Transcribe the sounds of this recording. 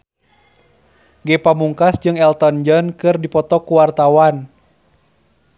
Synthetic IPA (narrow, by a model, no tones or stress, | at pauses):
ɡɛpamuŋkasd͡ʒɨŋɛlt̪ɔnd͡ʒɔnkɨrdipɔt̪ɔkuwart̪awan